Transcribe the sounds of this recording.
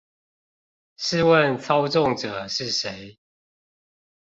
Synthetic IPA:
ʂɻ̩˥˨wə˥˨nt͡sʰɑ˦ʊʈ͡ʂɔ˥˨ŋʈ͡ʂɤ˨˩ʂɻ̩˥˨ʂe˨˦ɪ

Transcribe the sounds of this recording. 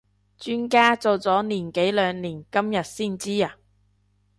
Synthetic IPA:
t͡ʃyː˥nkaː˥t͡so˨wt͡sɔː˨˥niː˨˩nke˨˥jlœː˨˧ŋliː˨˩nkɐ˥mjɐ˨t̚siː˥˩nt͡siː˥aː˨

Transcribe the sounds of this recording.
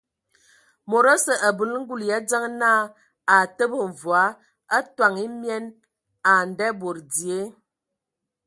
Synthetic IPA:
mo˨ɾə˦sə˨ʔa˨bə˨lŋ̩˦ɡu˦˨lja˨˦d͡zə˦ŋ˦naː˦˨ | a˨tə˦bə˨ɱ˨vwa˨˦ | a˦twa˨ŋi˦mjɛ˦n | a˨n˨dɛ˦bo˨ɾdi˨e˨˦

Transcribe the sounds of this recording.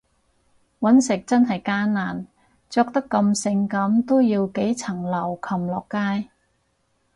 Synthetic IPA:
wɐ˨˥nsɪ˨k̚t͡sɐ˥nɦɐ˨jkaː˥nnaː˨˩n | t͡sɔː˧k̚t̪ɐ˥kːɐ˧msɪ˧ŋkɐ˨˥mt̪o˥wjiː˧wke˨˥jt͡sʰɐ˨˩ŋlɐ˨˩wkʰɐ˨˩mlɔː˨˩kːaː˥j

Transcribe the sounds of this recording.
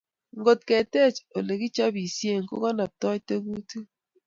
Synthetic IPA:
ŋ̩ɡo˨tkɛ˨te˦˨t͡ʃo˨le˨ki˦t͡ʃa˦bi˨sje˦˨ŋko̰˦kɔ˦na˨p̚tɔ˦te˦ku˦tu˦

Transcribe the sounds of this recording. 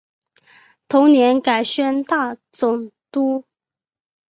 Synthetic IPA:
t̪ʰʊ˧˥ŋnjɛ˧˥nka˨˩ɪɕɥɛ˥nt̪a˥˩t͡sʊ˨˩ŋt̪u˥

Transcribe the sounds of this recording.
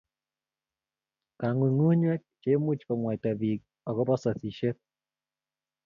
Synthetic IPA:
ka˨ŋu˨ŋu˦ɲwɛ˦k̚t͡ʃemu˦t͡ʃkɔ˨ŋwa˨jta˨βik̚ | ɔ˨kɔ˦bɔ˦sɔ˨si˨ʃet̚

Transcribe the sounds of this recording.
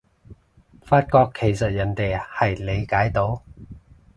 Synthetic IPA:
faː˧t̚kɔː˧kʰːe˨˩jsɐ˨t̚jɐ˨˩nt̪e˨jhɐ˨jle˨˧jkaː˨˥jt̪o˨˥w

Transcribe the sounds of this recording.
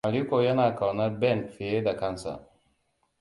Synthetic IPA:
a˨li˦ko˧ja˦na˨ka˨wna˦bɛ˦˨nfe˨e˦da˨ka˦nsa̰˨

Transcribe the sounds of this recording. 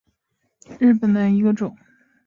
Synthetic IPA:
ɻ̩˥˩pə˨˩nd̪ə˦i˧˥ɡə˧ʈ͡ʂʊ˨˩˦ŋ

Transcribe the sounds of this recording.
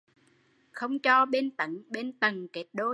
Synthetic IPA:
xə˧wŋ͡mt͡ɕɔ˧ɓe˧nt̪ə˨˩˦nɓe˧nt̪ə˨˩ŋke˨˦˥t̚ɗo˧

